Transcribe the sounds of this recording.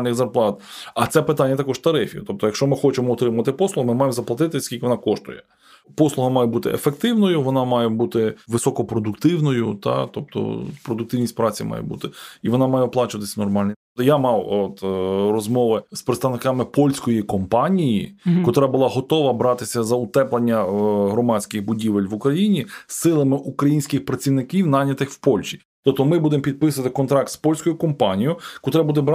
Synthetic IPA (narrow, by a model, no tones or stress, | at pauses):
lnɪxzɐrplˠɑt̪ɐt̪sɛpɪt̪ɑnʲːɐt̪ɐkɔʒt̪ɐɾɪfʲjḭt̪ɔp̚t̪ɔjɐkʃt͡ʃɔmɪxɔt͡ʃɪmɔɔt̪ɾɪmʊʋɐt̪ɪpɔslˠʊɦɐmɪmɑjemzɐplˠɐt̪ɪt̪ɪsʲkʲilʲkɪʋɔnɑkɔʃt̪ʊjɛ | pɔslˠʊɦɐmɑjɛbut̪ɪḛfek̚t̪ɪwnɔjʊʋɔnɑmɑjɛbut̪ɪʋɪsɔkɔpɾɔd̪ʊkt̪ɪwnɔjʊt̪ɑ̰t̪ɔp̚t̪ɔ̰pɾɔd̪ʊkt̪ɪwnʲisʲpɾɑt͡sʲḭmɑ̰jɛ̰bṵt̪ɪiʋɔnɑmɑjɛɔplˠɑt͡ʃʊʋɐt̪ɪsʲɐnɔrmɑlʲni | ɔjamɑwɔt̪rɔzmɔʋɪspɾet̪st̪ɐʋnɪkɑmɪpɔlʲsʲkɔjikɔmpɑnʲijikɔt̪ɾabʊlˠɑɦɔt̪ɔʋɐbɾɑt̪ɪsʲɐzɐʊt̪ɛplˠɐnʲːɐɦɾɔmɑt͡sʲkɪxbʊdʲiʋelʲʋʊkɾɐjinʲisɪlˠɐmɪʔukɾɐjinʲsʲkɪxpɾɐt͡sʲiʋnɪkʲiwnɑnʲɐt̪ɪxwpɔlʲʃi̥ | t̪ɔp̚t̪ɔmɪbud̪emɔpʲid̪̚pɪsʊɐɐt̪ɪkɔnt̪ɾɑk̚t̪spɔlʲsʲkɔjʊkɔmpɑnʲijʊkɔt̪ɾɛbud̪ɛbɾ